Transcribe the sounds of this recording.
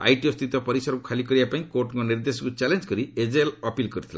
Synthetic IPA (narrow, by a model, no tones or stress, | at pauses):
a̰jʈijost̪it̪ɔpɔɾisɔɾɔkukʰalikɔɾibapaĩkoʈŋkɔniɾd̪esɔkut͡ʃalend͡ʒkɔɾied͡ʒelɔpilkɔɾit̪ʰila